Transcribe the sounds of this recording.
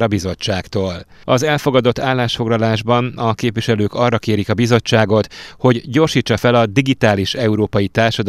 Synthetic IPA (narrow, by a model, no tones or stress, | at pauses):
ɾɒbizo̞t͡ʃːaːkt̪oːl | ɒzɛlfo̞ɡɒd̪o̞t̪ːaːlːaːʃfo̞ɡlɒlaːʒbɒnɒkeːpvʋiʃɛløːkɒrːɒkeːɾikɒbizo̞t͡ʃːaːɡo̞t̪ho̞ɟɟo̞rʃiːt͡ʃːɒfɛlɒd̪iɡit̪aːliʃɛuɾoːpɒjit̪aːrʃɒd̪